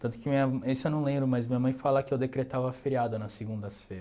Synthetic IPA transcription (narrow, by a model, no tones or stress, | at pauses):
t̪ɐ̃nt̪ʊ̥kɪmĩɲɐmesʊewnɐ̃w̃lẽmbɾʊmajzmĩɲɐmɐ̃j̃falɐkɪewd̪ekɾet̪avɐːfeɾiad̪ʊnɐseɡũnd̪ɐsfejɾɐ